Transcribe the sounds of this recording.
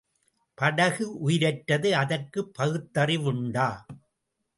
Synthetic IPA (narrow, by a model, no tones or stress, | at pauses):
pɐɽɐɣɯʔʊjɪɾɐʈːɐðɯɐðɐrkɯpːɐɣɯt̪ːɐrɪʋʊɳɖaː